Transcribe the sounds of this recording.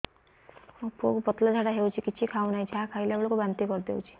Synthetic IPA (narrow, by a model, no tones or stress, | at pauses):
ɔpo̰kupɔt̪lɔd͡ʒʱaɽaɦewt͡ʃʰikit͡ʃʰikʰawnait͡ʃʰakʰajlebɔɭokubant̪ikɔɾd̪ewt͡ʃʰi̥